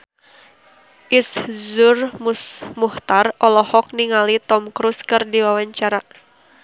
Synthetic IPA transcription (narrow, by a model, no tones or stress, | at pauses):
ʔiszur | muht̪arʔɔlɔhɔk̚niŋalit̪ɔmkɾuskɨrdiwawaɲt͡ʃaɾa